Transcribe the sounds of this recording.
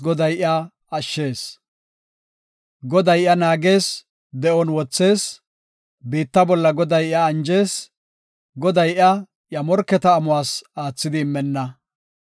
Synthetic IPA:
ɡɔd̪ɐjʔɪa | ɐʃːe̞ːs | ɡɔd̪ɐjɪɐnaːɡe̞ːs | d̪ɛʔɔnwɔt͡sːe̞ːs | biːt̪ːɐbɔlːɐɡɔd̪ɐjɪɐːnd͡ʒe̞ːs | ɡɔd̪ɐjɪɐ | ʔjɐmɔɾkːɛt̪ɐːmʊwaːsaːt͡sːɪd̪ɪːmːɛnːɐ

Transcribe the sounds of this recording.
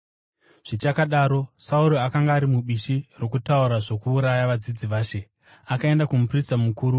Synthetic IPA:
ʐ̥it͡ʃakaɗaːɾo̞sauɾoakaŋɡaːɾimuɓiʃiro̞kutauɾaʐo̞kuːɾajaʋad͡zid͡ziʋaːʃe̞ | akae̞ndakumupristamukuːɾu

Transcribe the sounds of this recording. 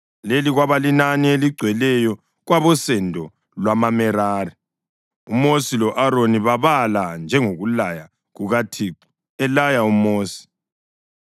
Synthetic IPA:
leliɣwaβalinanieliɡ͡ǀʱwɛlɛjɔ | ɣwaβɔsɛndʱɔ | lwamamɛɾaːri | umosilɔʔaɾoniβaβaland͡ʒʱɛŋoɣulaja | ɣuɣatʰiǀi̥ | ɛlajaumoːsi̥

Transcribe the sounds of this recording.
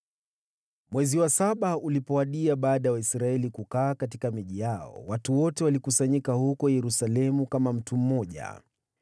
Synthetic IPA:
mwɛziwasaɓaulipɔwaɗiaɓaːɗajawaisɾaɛlikukaːkat̬ikamiʄijaɔ̰watuwɔtɛwalikusaɲikahukɔjɛɾusalɛmukamam̩tum̩mɔʄa̰

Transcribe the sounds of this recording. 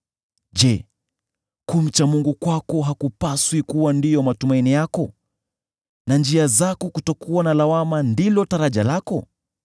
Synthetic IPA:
ʄɛ | kum̩t͡ʃamuŋɡukwakɔɦakupaswikuwandijɔmatumainijakɔ | nand͡ʒiazakɔkutɔkuwanalawamandilɔtaɾaʄalakɔ

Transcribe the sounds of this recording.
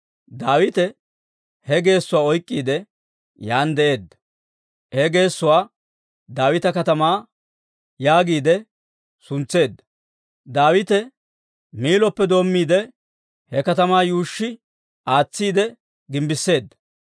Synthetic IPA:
d̪aːwɪt̪ɛ | hɛɡe̞ːsːʊwaːɔjkʼːiːd̪ɛ | jaːnd̪ɛʔe̞ːd̪ːɐ̥ | hɛɡe̞ːsːʊwaː | d̪aːwɪt̪ɐkɐt̪ɐmaː | jaːɡiːd̪ɛ | sʊnt͡sːe̞ːd̪ːɐ | d̪aːwɪt̪ɛ | miːlɔpːɛd̪o̞ːmːiːd̪ɛ | hɛkɐt̪ɐmaːjuːʃːɪ | ʔaːt͡sːiːd̪ɛ | ɡɪmbɪsːe̞ːd̪ːɐ̥

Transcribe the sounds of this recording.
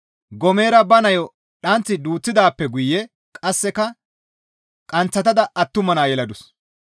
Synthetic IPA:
ɡɔme̞ːɾɐbɐnɐjɔ | ɗɐnt͡sːɪd̪uːt͡sːɪd̪aːpːɛɡʊjːɛ | kʼɐsːɛkɐ | kʼɐnt͡sːɐt̪ɐd̪ɐɐt̪ːʊmɐnaːjɛlɐd̪ʊs

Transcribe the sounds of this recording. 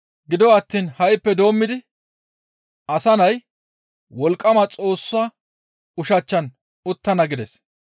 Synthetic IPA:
ɡɪd̪ɔɐt̪ːiːnhɐjpːɛd̪o̞ːmːɪd̪ɪ | ʔɐsɐnɐj | wɔlkʼːɐmɐt͡sʼo̞ːsːɐ | ʊʃɐt͡ʃːɐn | ʊt̪ːɐnɐɡɪd̪ɛs

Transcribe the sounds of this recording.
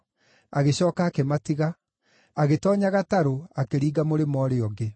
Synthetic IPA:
aɣeɕɔːkaːkematiɣa | aɣetɔːɲaɣataɾoakeɾiːɡamoɾemɔːɾeɔɡe

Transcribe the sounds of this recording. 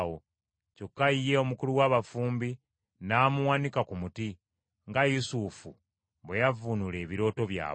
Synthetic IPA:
wo | co̞kːaije̞o̞mukuluwaːβafuːmbi | naːmuwanikakumuti | ŋɡajusufu | βejavunule̞ːβiɾo̞ːto̞βja̰ː

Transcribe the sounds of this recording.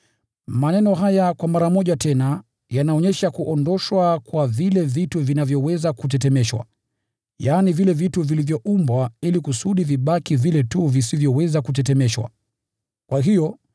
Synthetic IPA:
manɛnɔɦajakwamaɾamɔʄatɛna | janaɔɲɛʃakuʔɔndɔʃwakwavilɛvituvinavjɔwɛzakut̬ɛtɛmɛʃwa̰ | jaːnivilɛvituvilivjɔʔumbwailikusuɗiviɓakivilɛtuvisivjɔwɛzakut̬ɛtɛmɛʃwa̰ | kwaɦijɔ

